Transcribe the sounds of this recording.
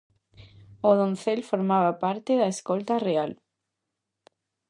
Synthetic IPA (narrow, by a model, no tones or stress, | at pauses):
oðonθelfoɾmaβapaɾt̪eðaeskolt̪areal